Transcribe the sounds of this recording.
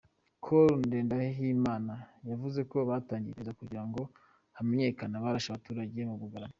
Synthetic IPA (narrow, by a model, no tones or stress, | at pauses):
kʰoɾunde̞ːndahɦimaːnajavuze̞ko̞βataːɲɟiɾizakuɟiɾaŋɡo̞ | hameɲe̞ːkanaβaɾaʃaβatuːɾaɟe̞muβuɡaɾam